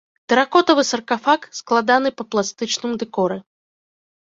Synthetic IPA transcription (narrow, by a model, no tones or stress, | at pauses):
t̪ɛɾakɔt̪ɐvɨsɐrkafaksklˠad̪an̪ɨpɐplˠast̪ɨt͡ʂnɨmd̪ɛkɔɾɨ